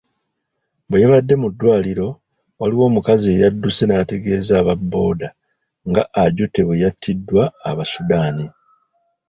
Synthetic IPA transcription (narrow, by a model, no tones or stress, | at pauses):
bejeβadːe̞mudːwaːliɾo̞ | waliwo̞ːmukazie̞ːjadːuse̞naate̞ɡe̞ːzaːβabːo̞ːda | ŋɡa̰ʔːɟute̞βejatʰːidːwaːβasudaːni